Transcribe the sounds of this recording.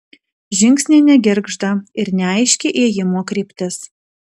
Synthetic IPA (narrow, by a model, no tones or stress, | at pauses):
ʒʲɪŋʲksʲnʲeːnʲɛɡʲɪɾɡʒd̪ɐɪɾnʲɛɐɪʃʲkʲeʔeːjɪmoːkɾʲiːpʲt̪ʲɪs